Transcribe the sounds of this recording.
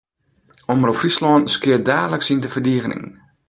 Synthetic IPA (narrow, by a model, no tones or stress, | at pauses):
ɔmərɔfrislɔnskɪədaːdələksindəvərdiəɣənɪ̰ŋ